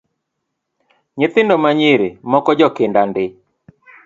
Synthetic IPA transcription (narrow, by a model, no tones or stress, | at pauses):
ɲɪt̪ɪndɔmaɲɪɾɪmɔkɔd͡ʒɔkɪndandɪ